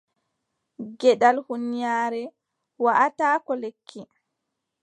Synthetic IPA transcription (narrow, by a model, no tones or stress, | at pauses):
ɡɛɗalhunijaːɾɛ | waʔataːkɔlekʰːi